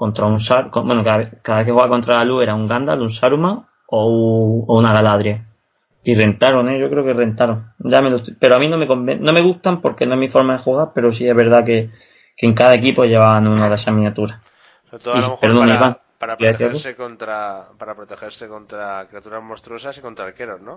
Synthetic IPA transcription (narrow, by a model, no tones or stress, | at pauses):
ko̞nt̪ɾaunsaɾkobwe̞nokaβekːaðaβekewβakont̪ɾaalue̞ɾauŋɡand̪a̰lunsaɾuma | oounaɣalaðɾja | ire̞nt̪aɾoŋeʝo̞kɾeo̞kere̞nt̪aɾoŋɟ͡ʝamelot̪pe̞ɾoamĩno̞me̞ko̞mbḛ̃nːo̞me̞ɣ̞uht̪ampo̞ɾke̞noeɦmifo̞ɾmaðexuɣaɾpe̞ɾo̞s̬ie̞zβe̞ɾðake̞ | keŋkaðae̞k̬ipoʝeβaβanũnaðesamĩnjat̪uɾa | βɾispeɾonũnaiβaŋ | aaðeθiaoekont̪ɾapaɾapɾot̪exeɾsekont̪ɾakɾiat̪uɾazmost̪ɾosasikont̪ɾalkeɾozno